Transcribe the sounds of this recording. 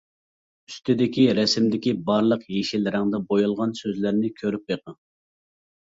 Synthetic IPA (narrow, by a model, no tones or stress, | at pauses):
yst̪ʰɪd̪ɪkʲiɾɛsɪmd̪ɪkʲibɑɾlˠəqjeʃilɾæŋd̪ɛbojulˠʁɑnsøzlæɾnɪkʲʰøɾyp̚beqə